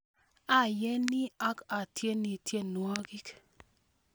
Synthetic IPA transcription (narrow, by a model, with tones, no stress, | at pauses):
a˦˨je˦ni˦a˦ka˨tje˦ni˨tje˦nwɔ˦ɡi˦k